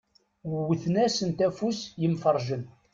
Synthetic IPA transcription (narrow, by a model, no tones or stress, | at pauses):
wwːəθnæsənt̪æfusjəmfəɾˤʒən